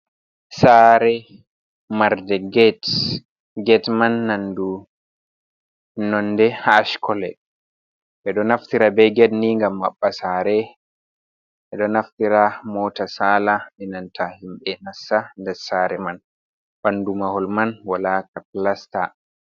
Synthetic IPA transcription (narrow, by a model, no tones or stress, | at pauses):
saːɾɛ | maɾdɛɡɛt | ɡɛtmanːandu | nɔnːdɛhaːʃkʰɔlɛ̰ | ʔɛɗɔnaftiɾabɛjɡɛdniŋɡamːaɓːasaːɾɛ | ʔɛɗɔnaftiɾamɔːtasalamɛnantʰahimɓɛnasːandɛsaːɾɛman | bandumahɔlmanwalaːkaplasta̰